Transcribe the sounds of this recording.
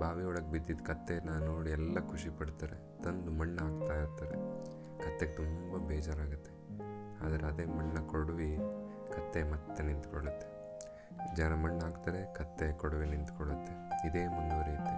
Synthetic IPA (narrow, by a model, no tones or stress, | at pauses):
bʱaːʋiɔɭɐk̚bid̪ːid̪kɐt̪ːenanoːɽiɛlːɐkʰuʂipɐɽt̪aːɾe | t̪ɐnd̪umɐɳːaːɡt̪aːjiɾt̪ːaːɾḛ | kɐt̪ːeɡ̚t̪umbɐbɛːd͡ʒaːɾaːɡut̪ːe̞ | aːd̪ɐɾeɐd̪e̞ːmɐɳːɐkoɽʋi | kɐt̪ːemɐt̪ːenint̪koɭut̪ːe | d͡ʒɐnɐmɐɳːaːɡt̪aːɾekɐt̪ːekoɽʋinint̪kɔɽut̪ːeid̪eːmɐnɡɐʋɐɾiːt̪i